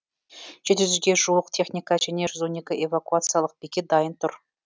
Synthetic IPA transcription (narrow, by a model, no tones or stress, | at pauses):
ʒ̥e̞t̪̬ɪʒyzɡʲe̞ʒuəq̚t̪ʰe̞χnʲijkaʒæne̞ʒʏzwo̞ne̞kʲɪʔevakuat̪sɨjalˠəq̚b̥ekʲe̞t̪̚d̪ɑjənt̪ʰʊɾ